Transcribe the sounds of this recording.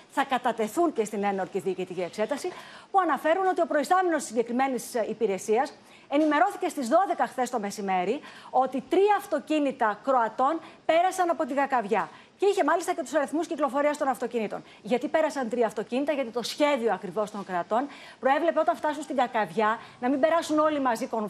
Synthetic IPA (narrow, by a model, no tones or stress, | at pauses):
θɐkɐt̪ɐt̪e̞θunce̞st̪ine̞no̞ɾt̪iðiːcit̪icie̞kse̞t̪ɐsipuɐnɐfe̞ɾuno̞t̪io̞pɾo̞ist̪ɐmenost̪isiɲɟe̞kɾime̞nisipiɾe̞siɐs | e̞nime̞ɾo̞θice̞st̪izðo̞ðe̞kɐxθe̞st̪o̞me̞sime̞ɾio̞t̪it̪ɾiɐːft̪o̞cinit̪ɐkɾo̞ɐt̪o̞npe̞ɾɐsɐnɐpo̞t̪iɡɐkɐvʝɐ | ceiçe̞mɐlist̪ɐcet̪u̥sɐɾiθmusciklo̞fo̞ɾiɐst̪o̞nɐft̪o̞cinit̪o̞̰n | ʝɐt̪ipe̞ɾɐsɐnt̪ɾiɐft̪o̞cinit̪ɐʝɐt̪it̪o̞sçe̞ðio̞ɐkɾivo̞st̪o̞ŋkɾoɐt̪o̞n | pɾo̞e̞vle̞pe̞o̞t̪ɐɱft̪ɐsunst̪iŋɡɐkɐvʝɐnɐmimbe̞ɾɐsuno̞limɐzikon